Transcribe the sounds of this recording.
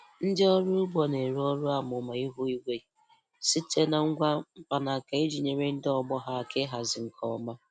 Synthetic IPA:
n̩˦dɪ˦ɔ˦ɾʊ˦ʊ˦bɔ˨ne˨ɾɔ˦ɾʊ˦a˨mʊ˨ma˨i˦ɦu˦i˦ɡʷe˦˨ | si˦te˦na˨ŋ̩˦ɡʷa˦m̩˦pa˨na˨ka˨e˦d͡ʒi˨ɲe˨ɾe˦n̩˦dɔ˦ɡ͡bɔ˦ɦa˦˨ke˦ɦa˨zɪ˨ŋ̩˨kʰɔ˨ɔ˦ma˦

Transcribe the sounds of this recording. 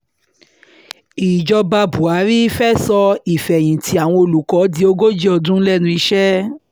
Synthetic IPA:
i˨d͡ʒɔ˧ba˧bu˨a˨˦ɾi˦fɛ˦sɔ˧i˨fɛ˨j̃ĩ˨ti˧˦a˨w̃ɔ̃˧o˧˨lu˨kɔ˨˦di˦o˧˦ɡo˦d͡ʒi˦ɔ˧dũ˦lɛ˦˨nũ˧i˧ʃɛ˦

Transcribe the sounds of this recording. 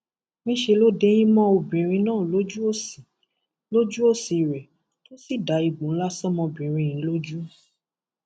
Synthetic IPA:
mĩ˧˦ʃe˧lo˦de˦j̃ĩ˦mɔ̃˦o˧˨bĩ˨ɾ̃ĩ˧nãː˦˨lo˨˦d͡ʒu˦o˦˨si˨ | lo˦d͡ʒu˦o˦˨si˨ɾɛ˨ | to˦si˦˨da˨˦i˨ɡ͡bũ˨˦n̩˦la˦sɔ˦mɔ̃˧bĩ˨ɾ̃ĩ˧j̃ĩ˨˦lo˦d͡ʒu˦

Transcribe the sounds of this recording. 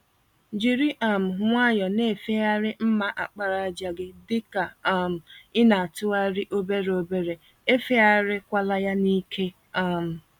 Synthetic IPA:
d͡ʒi˨ɾi˦ʔa˨m̩˨ŋʷa˦jɔ˨ne˦˨fe˦a˦ɾɪ˦m̩˦ma˦ʔa̰˨k͡pa˦ɾa˨d͡ʒa˨ɡɪ˦dɪ˦ka˨m̩˨ɪ˦na˨a˨tʊ˦a˦ɾɪ˦ʔo˦be˦ɾe˨o˦be˦ɾe˨ | e˦fe˦a˦ɾɪ˦kʷa˦la˦ja˦ni˦kʰe˦ | a˦m̩˨

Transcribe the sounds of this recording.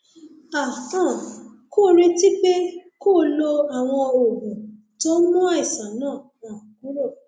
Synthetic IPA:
a˨ã˦˨ | ko˦˨ɾ̃ĩ˧ti˦k͡pe˦ko˦˨lo˧a˨w̃ɔ̃˧o˨ɡũ˨ | to˦mũ˦a˦i˨sa˨nãː˦˨wã˨ku˦ɾo˦˨

